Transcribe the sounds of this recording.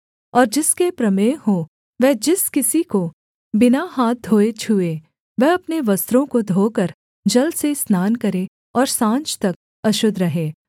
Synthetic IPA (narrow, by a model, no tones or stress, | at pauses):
ɔːɾd͡ʒɪskepɾɐmeːɦõ | ʋɛːd͡ʒɪskɪsiko | bɪnaɦaːt̪̚d̪ʱoːet͡ʃʰuːe | ʋɛɐpneʋɐst̪ɾõkod̪ʱoːkəɾ | d͡ʒɐlsesnaːnkɐɾẽ | ɔːɾsãːnt͡ʃt̪ɐk̚ | ɐʃʊd̪ʱɾɐɦẽː